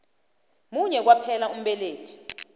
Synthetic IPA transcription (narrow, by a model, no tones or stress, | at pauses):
muɲɛk̬wapʰɛlaum̩ɓɛleːtʰi̥